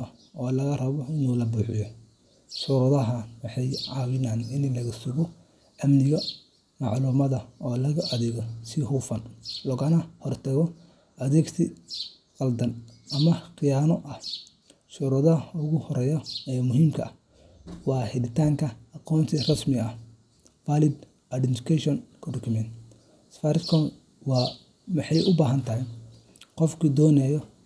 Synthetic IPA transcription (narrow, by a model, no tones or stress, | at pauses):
ɐ | ɔːlɐɣɐrɐβɔɪnuːlɐbuːħɪjɔ | suːɾɐðɐɦɐnwɑħɑjʕɑwɪnaːnɪnlɐɣɐsʊɣɔ | ʔɐmnɪɣɐ | mɑʕluːmɐðɐʔɔːlɐɣɐʔɐðɛɣɔsɪhufɐnlɔɣɐnɐhɔrt̪ʰɐɣɔ | ʔɐðɛːɡt̪ʰi | qɑld̪ɐnɐmɐχɪjaːnɔʔɐh | ʃuɾɐðɐʊɣʊhɔɾɛːjɔɛmʊɦiːmkʰɐ̰ | wɑːhɛðɪt̪ʰaːŋkʰɐɑqɔːnt̪ʰirɐsmɪɐ | baːlɪd̪ | ʔɐɖɪnt̪ɪ̥kʰɛʃɔnkʰɐdɔkʰʊmɛnt̪ | sfaːɾɪskʰɔn | wɑː | mɐħɑjʔʊbaːɦɐnt̪ʰɐɦɛ | qɔfkʰid̪ɔːnɛjɔ